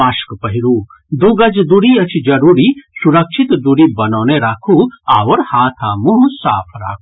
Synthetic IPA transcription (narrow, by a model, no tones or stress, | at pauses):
aːʃkpɐɦiɾuː | d̪uɡɐd͡ʒd̪uɾiɐt͡ʃʰid͡ʒɐɾuːɾisuɾɐkʃʰit̪d̪uɾibɐnɔːneɾaːkʰuaːwəɾhaːt̪ʰaːmuɦsa̰ːpʰɾa̰ːkʰu